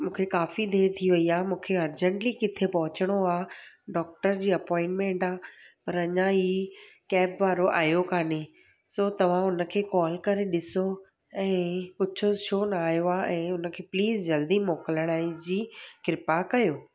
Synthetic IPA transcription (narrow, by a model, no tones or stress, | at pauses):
mũːkʰekaːfid̪ʱeːɾt̪ʰiʋɐiaːmũːkʰeɐɾd͡ʑə̃ɳʈlikɪt̪ʰepɔɦʊt͡ɕəɽ̃oaː | ɖɔːk̚ʈəɾd͡ʑiːɐpɔ̃ːɪ̃ɳʈmẽːɳʈaːpɐɾɐɲãɦi | kɛːpʋaːɾoʔa̰ːjokaːne | soːt̪ɐʋ̤ãʊnə̆kʰeːkɔːlkɐɾeɗɪso | ɛ̃ːkʊt͡ɕʰoʃʰoːnɐaːɦjoaːʔɛ̃ːʊnə̆kʰeːpliːzd͡ʑɐld̪imoːkələɽ̃aːid͡ʑiːkɪɾɪpakɐjoː